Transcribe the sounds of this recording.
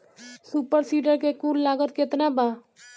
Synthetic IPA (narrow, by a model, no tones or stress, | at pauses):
suːpəɾsiːɖəɾkekuːlːaːɡət̪̚kɪt̪nabaː